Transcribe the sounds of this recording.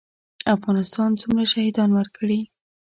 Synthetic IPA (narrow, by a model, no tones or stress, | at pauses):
afɣɑnɪst̪ɑnt͡sumɾaʃahid̪ɑnwəɾkʰɽi